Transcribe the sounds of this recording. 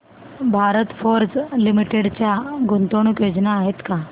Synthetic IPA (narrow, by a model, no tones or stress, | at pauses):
bʱaɾət̪foɾd͡zlimiʈeɽt͡ɕjaɡʱunt̪oɳ̃ukjod͡ʑnaːɦet̪ka